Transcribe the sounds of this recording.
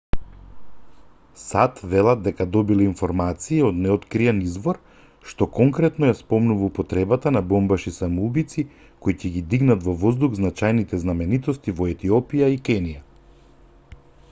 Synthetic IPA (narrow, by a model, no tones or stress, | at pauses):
sat̪vɛlˠad̪̚dːɛkad̪ɔbilɛinfoɾmat̪siiod̪nɛɔt̪kɾiɛnizvɔɾ | ʃt̪ɔkɔŋkɾɛt̪nɔjaspɔmnuvaupɔt̪ɾɛbat̪anabɔmbaʃisamɔubit̪si | koicɛɡid̪iɡnat̪vɔvɔzd̪uɣznat͡ʃajnit̪ɛznamɛnit̪ɔst̪ivɔɛt̪iɔpijaikɛnija